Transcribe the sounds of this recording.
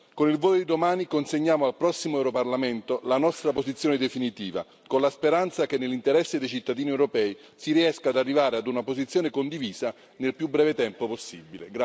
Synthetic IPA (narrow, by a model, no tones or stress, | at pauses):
konilvoːjod̪id̪omaːnikonseɲːaːmoalpɾɔsːimoɛwɾoparlament̪olanɔst̪ɾapozit̪sːjoːned̪efinit̪iːva̰ | konlaspeɾant̪sakenːelːint̪eɾɛsːed̪ejt͡ʃit̪ːad̪iːniewɾopɛːi | siɾiɛskad̪arːivaːɾead̪unapozit̪sːjoːnekond̪iviːza | nelpjubːɾɛːvet̪ɛmpoposːibilḛɡɾa